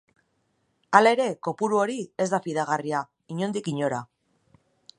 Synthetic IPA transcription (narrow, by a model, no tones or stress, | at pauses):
alae̞ɾe̞ko̞puɾuo̞ɾie̞zd̪afiðaɣ̞aria | iɲo̞nd̪ikiɲo̞ɾa